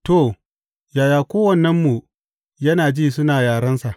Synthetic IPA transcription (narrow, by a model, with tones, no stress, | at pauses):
to˦˨ | jaː˨jaː˨kʷoː˦wɐ˦˨nːɐ˦mːu˨ | jɐ˦naː˨d͡ʒiː˦sʊ˦naː˨jaː˨ɽɐ˦nsa˨ʔ